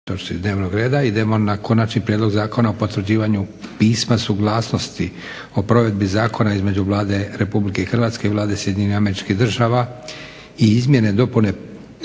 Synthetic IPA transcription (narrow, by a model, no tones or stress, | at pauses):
t̪ot͡ʃt̪id̪ne̞ːʋnoɡɾe̞ːd̪aid̪e̞mo̞nako̞nat͡ʃnipɾjed̪lo̞ɡzaːko̞naopo̞t̪ʋɾd͡ʑiːʋaɲupiːsmasuɡlˠaːsno̞st̪i | opɾo̞ʋe̞d̪bizaːkʰo̞naizme̞d͡ʑuʋlˠaːd̪e̞ɾe̞publike̞ixrʋaːt̪ske̞ilˠaːd̪e̞sjeiɲeniame̞ɾit͡ʃkiɦd̪r̩ʒaːʋa | iizmje̞ne̞d̪o̞pune̞